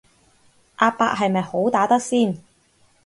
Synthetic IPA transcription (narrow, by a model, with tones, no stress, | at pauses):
ʔaː˧pːa̰ː˧˥k̚ɦɐ˨jmɐ˨jho˨˥wt̪aː˨˥t̪ɐ˥k̚siː˥˩n